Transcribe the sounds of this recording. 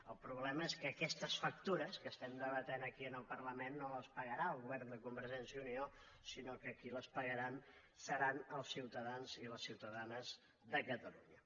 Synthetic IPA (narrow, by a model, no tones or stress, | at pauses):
əlˠpɾuβlɛməeskəːkɛst̪əsfək̚t̪uɾəskəst̪ɛmd̪əβ̞ət̪enəkiənəlˠpərləmenːoəspəɣəɾaəlˠɣuβɛrnd̪əkumbəɾʒɛnsiəunio | sinokəkiləspəɣəɾan | səɾanəlˠsiwt̪əðanziləsːiwt̪əðanəz | ðəkət̪əlṵɲə